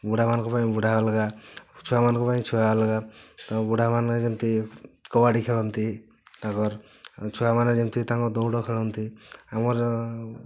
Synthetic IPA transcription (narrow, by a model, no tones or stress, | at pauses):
buɽamankɔpaĩbuɽʱalɡat͡ʃʰuamankɔpaĩt͡ʃʰualɡat̪ɔbuɽʱamand͡ʒent̪ikɔwaɽikʰeɭɔnt̪i | t̪aɡɔɾ | t͡ʃʰuamaned͡ʒint̪it̪ãŋkɔd̪ɔwɽɔkʰeɭɔnt̪iamɔɾ